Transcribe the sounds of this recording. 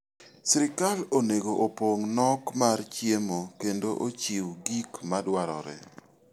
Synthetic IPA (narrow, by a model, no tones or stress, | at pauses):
sɾɪkaloneɡoʔopoŋnɔkmart͡ʃjemokendoʔot͡ʃiwɡikmadwaɾɔ̰ɾɛ̰